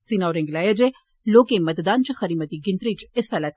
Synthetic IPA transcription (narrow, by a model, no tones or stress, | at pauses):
sinaɾẽŋɡlaːjad͡ʒe | loːkemɐt̪d̪aːnt͡ʃxɐɾiːmət̪iɡɪnt̪ɾiːt͡ʃesalat̪